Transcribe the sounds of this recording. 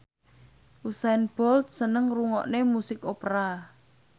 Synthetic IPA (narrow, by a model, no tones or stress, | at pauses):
ʔusanb̥ɔlt̪̚sənəŋruŋɔ̰ʔnemusɪkopɾa